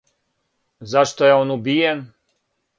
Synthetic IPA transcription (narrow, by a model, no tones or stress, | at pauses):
zaʂt̪ɔjaɔnubʲijɛm